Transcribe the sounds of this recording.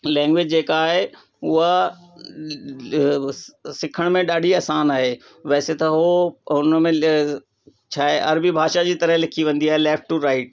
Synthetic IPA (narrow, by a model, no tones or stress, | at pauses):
lɛ̃ːŋɡʋɪd͡ʑd͡ʑeːkaːɦe | ʊɦa | sɪkʰəɽ̃mẽɗaːɗiɐːsaːnaːɦeː | ʋɛːset̪ɐɦoʊnəmẽ | t͡ɕʰaːɦeʔɐɾbibʱaːʃad͡ʑiːt̪ɐɾəɦlɪkʰiʋɐ̃nd̪iaːɦeleːfʈʈːuɾaːɪʈ